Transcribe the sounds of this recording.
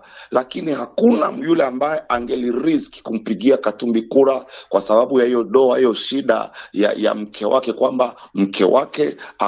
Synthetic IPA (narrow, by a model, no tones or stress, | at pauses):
lakinihakunajulɛambajɛʔaŋɡɛliɾiski̥kum̩piɠiakatumbikuɾakwasaɓaɓujahijɔɗɔahijɔʃiɗa̰ja̰ja̰m̩kʰɛwakɛkwambam̩kʰɛ̰wakɛa